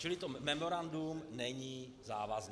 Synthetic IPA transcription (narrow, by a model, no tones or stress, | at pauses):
t͡ʃɪlɪt̪omɛmoɾandumnɛɲiː | zaːvazn